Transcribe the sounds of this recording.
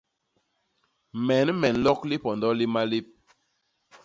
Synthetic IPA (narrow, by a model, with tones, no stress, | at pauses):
mɛ˨˦nmɛ˨n˦lɔ˦kli˦pɔ˨ndɔ˦li˦ma˦li˦p̚